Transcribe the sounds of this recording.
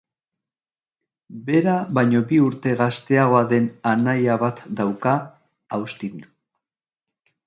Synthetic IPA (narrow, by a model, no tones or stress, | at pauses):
be̞ɾaβajɲo̞biuɾt̪e̞ɣast̪e̞aɣ̞o̞aðe̞nanajaβat̪d̪awka | awst̪in